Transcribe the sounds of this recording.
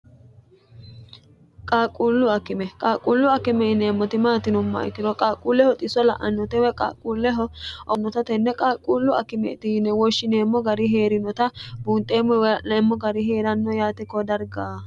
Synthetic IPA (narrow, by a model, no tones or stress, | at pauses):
kʼaːkʼːuːlːʊɐkːɪmɛkʼaːkʼːuːlːʊɐkːɪmɛɪnːɛːmːɔt̪ɪmaːt̪ɪnʊmːɐ̰ɛ̰kːɪd̪ɔkʼaːkʼːuːlːɛhɔt̪ʼɪsɔlɐʔɐnːɔt̪ɛwɛkʼa̰ːkʼːuːlːɛɦɔɔnːɔt̪ɐt̪ɛnːɛkʼaːkʼuːlːʊɐ̰kːɪmɛ̰t̪ɪnːɛwɔʃːɪneːmːɔɡɐɾɪɦe̞ːɾɪnɔt̪ɐbuːnt̪ʼːeːmːɔnɛmːɔɡɐɾɪɦe̞ːɾɐnːɔjaːt̪ɛkːɔd̪ɐɾɡaː